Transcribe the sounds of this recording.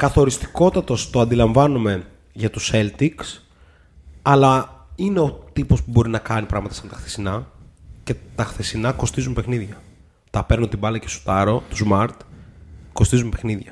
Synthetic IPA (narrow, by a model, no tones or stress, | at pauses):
kɐθo̞ɾist̪i̥ko̞t̪ɐt̪o̞st̪o̞ɐnd̪ilɐɱvɐnume̞ | ʝɐt̪use̞lt̪iks | ɐlɐine̞o̞t̪ipo̞spubo̞ɾinɐkɐnipɾɐɣmɐt̪ɐsɐnt̪ɐxθe̥sinɐce̞t̪ɐxθe̞sinɐko̞st̪izumpe̞xniðʝɐ | t̪ɐpe̞ɾnunt̪ibɐlɐcesu̥t̪ɐɾo̞t̪uzmɐɾt̪ko̞st̪izumepe̞xniðʝɐ